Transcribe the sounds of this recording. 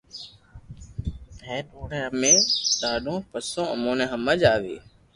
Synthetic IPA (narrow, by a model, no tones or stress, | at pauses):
ɛːtoːnẽːəmẽːɗ̪aːɗõːpəsõːə̰mõːnẽːɦəməd͡ʒaːʋḛː